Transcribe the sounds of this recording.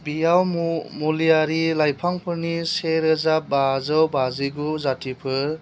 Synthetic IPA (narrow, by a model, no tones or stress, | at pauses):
bijawmulijaɾilajpʰaŋpʰɯɾniseɾɯzabazɔwbaziɡuzatipʰɯɾ